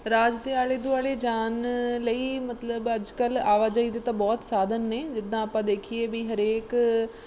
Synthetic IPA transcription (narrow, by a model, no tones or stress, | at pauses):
ɾaːd͡ʒd̪eːaːɭeːd̪ʊaːɽeːd͡ʒaːnləiːmət̪ləbəd͡ʒkəlaːʋaːd͡ʒaːiːd̪eːt̪ãːbɔːt̪saːd̪ʱənːeːd͡ʒɪd̪ːãːaːpãːd̪eːkʰieːbiːɦəɾeːk